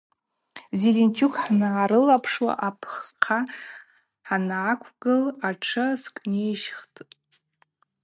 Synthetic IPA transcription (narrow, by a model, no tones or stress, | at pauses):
zilint͡ʃʰukʰʼħnaːɾɨlapʰʂwa̰ʔapʰχqʰa | ħanakʷʰɡɨlaʈ͡ʂʰɨskʼnejʃχtʼ